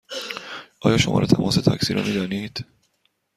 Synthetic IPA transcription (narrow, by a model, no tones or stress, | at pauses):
ʔɒːjɒːʃomɒ̰ːɾet̪ʰæmʔɒːset̪ʰæcsiːɾo̰miːd̪ɒːniːd̪̥